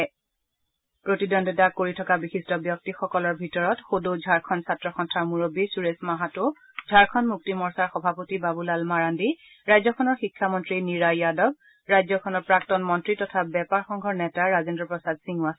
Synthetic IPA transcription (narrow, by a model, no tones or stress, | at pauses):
pɹotidɔndɔdakoɹitʰɔkabixistɔbjɔk̚tixɔkɔlɔɹbʱitɔɹɔtxodod͡ʒʱaɹkʰɔnsatɹɔxɔntʰaɹmuɹobisuɹesmaɦatʊ | zʱaɹkʰɔnmuk̚timɔɹsaɹxɔbʱapotibabulalmaɹandi | ɹajzɔkʰɔnɔɹxikʰːamɔntɹiniɹajadɔb̚ | ɹajzɔkʰɔnɔɹpɹak̚tɔnmɔntɹitɔtʰabɛpaɹxɔŋɡʱɔɹnɛtaɹazendɹɔpɹɔsadsiŋuas